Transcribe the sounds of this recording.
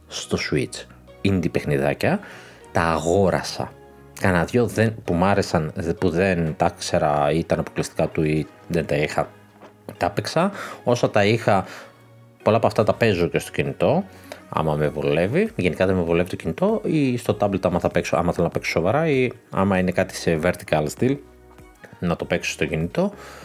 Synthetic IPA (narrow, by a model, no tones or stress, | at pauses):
st̪o̞suit͡s | ind̪ipexniðɐ̰cɐ | t̪ɐːɣo̞ɾʔɐ̰sɐ̰ | kɐnɐðʝo̞ðenpumɐɾe̞sɐnpuðe̞nt̪ɐkse̞ɾɐit̪ɐnɐpoklist̪ikɐt̪ui | ðent̪ɐixɐ | t̪ɐpiksɐo̞sɐt̪ɐixɐ | po̞lɐpoɐft̪ɐt̪ɐpe̞zoce̞st̪ocinit̪o̞ɐ̰mɐme̞vole̞viʝe̞nikɐðemevule̞vit̪ocinit̪o̞ist̪o̞t̪ɐblet̪ɐmɐθɐpeksoɐ̰mɐθelnɐpekso̥so̞vɐɾɐiɐ̰mɐine̞kɐt̪i̥seve̞ɾt̪ikɐlsd̪il | nɐt̪o̞pe̞kso̥st̪o̞cinit̪o̞